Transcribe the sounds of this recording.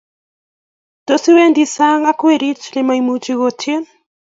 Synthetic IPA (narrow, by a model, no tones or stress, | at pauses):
tosiwendisaŋɡakueɾit͡ʃlemajmut͡ʃiɣotʰen